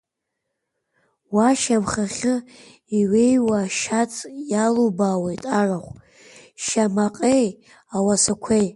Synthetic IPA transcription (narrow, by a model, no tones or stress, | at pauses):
waʃawχaχʲɨ | iwejwaʃat͡sʼjalobaːwajtʼaraχʷ | ʃamaqʼej | awasakʷʰej